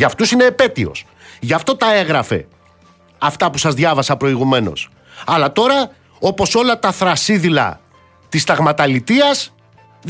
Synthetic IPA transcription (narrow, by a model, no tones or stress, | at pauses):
ʝɐft̪usine̞ːpe̞t̪io̞̰s | ʝɐft̪o̞t̪ɐe̞ɣɾɐfe̞̰ | ɐft̪ɐpusɐzðʝɐvɐsɐpɾo̞iɣume̞no̞̰s | ɐlɐt̪o̞ɾɐ | o̞po̞so̞lɐt̪ɐθɾɐsiðilɐ̰ | t̪ist̪ɐɣmɐt̪ɐlit̪iɐz | ð